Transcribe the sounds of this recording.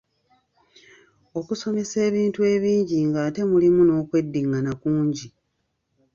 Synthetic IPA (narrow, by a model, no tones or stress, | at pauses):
o̞kuso̞me̞se̞ːβiːntue̞ːβiːɲɟiŋɡate̞mulimuno̞ːkwe̞dːiŋɡanakuːɲɟi